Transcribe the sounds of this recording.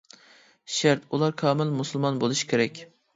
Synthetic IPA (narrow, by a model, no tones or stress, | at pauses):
ʃaɾt̪ʰulˠɑɾkʰɑːmɪlmusʊlˠmɑnbolˠɨʃkʲʰeɾɛkʲ